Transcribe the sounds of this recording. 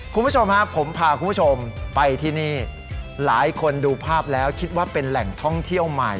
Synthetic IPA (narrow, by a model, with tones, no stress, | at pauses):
kʰu˧mpbu˥˩t͡ɕʰo˧mha˦˥pʰo˩˦mpʰaː˧˩kʰu˧mbu˥t͡ɕʰo˧mpa˧jt̪ʰiː˥˩niː˥˩ | laː˩˦jkʰo˧nduː˧pʰaː˥˩p̚lɛː˦˥wkʰi˦˥t̪̚waː˥˩pe˧nlɛ˨˩ŋt̪ʰɔ˥˩ŋt̪ʰi˥˩əwma˨˩j